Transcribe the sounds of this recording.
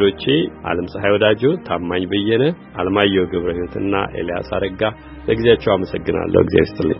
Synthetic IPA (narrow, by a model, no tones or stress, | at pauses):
lo̞t͡ʃːeʔa̰ləmsʼəɦajwɔd̪ad͡ʒɛwt̪ʰamːaɲbəjːɛnəʔaləmajːɛwɡɨβɾəhiwɔt̪ʰɨnːa̰ʔḛlija̰sa̰d̪əɡa | ləɡɨzjat͡ʃːɛwaməsəɡːɨna̰lːʔə̰hwɡizea̰wist̪ʼɨlːə̰ɲː